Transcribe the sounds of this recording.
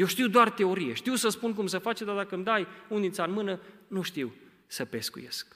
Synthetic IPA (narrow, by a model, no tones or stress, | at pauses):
jewʃt̪iwd̪oart̪e̞o̞ɾijeʃt̪iwsəspunk̬umsəfat͡ʃed̪ad̪akəmd̪ajund̪isanmɨnənuʃt̪iw | səpe̞skṵje̞̰sk